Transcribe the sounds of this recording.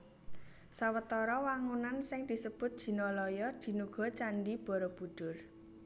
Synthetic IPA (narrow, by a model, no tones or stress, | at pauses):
sawət̪ɔɾɔwaŋunansɪŋd̪̥i̤səb̥ʊt̪̚d̥ʒ̥i̤nɔlɔjɔd̪̥i̤nuɡ̥ɔ̤t͡ʃanɖib̥ɔ̤ɾɔb̥ṳd̪̥ʊr